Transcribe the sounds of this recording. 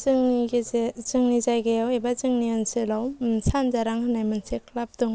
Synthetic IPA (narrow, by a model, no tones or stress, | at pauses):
ŋ | zɯŋnizajɡajawebazɯŋniɯnsɯlawsanzaɾaŋhɯnajmɯnsek̚ʰlap̚duŋ